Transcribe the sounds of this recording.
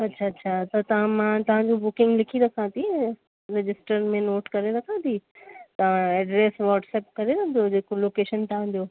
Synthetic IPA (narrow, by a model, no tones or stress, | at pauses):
ɐtːɕʰaɐtːɕʰat̪ɐt̪ɐʋ̤ãmãt̪ɐʋ̤ãɲd͡ʑobʊkɪ̃ŋɡlɪkʰiɾɐkʰãt̪ʰi | ɾɪd͡ʑɪsʈəɾmẽnoːʈkɐɾeɾɐkʰãːt̪ʰit̪ɐʋ̤ãɛːɖɾeːsʋɔːʈsɛːp̚kɐɾeɾɐ̃nd̪od͡ʑeːkoloːkeːʃənt̪ɐɦãd͡ʑoː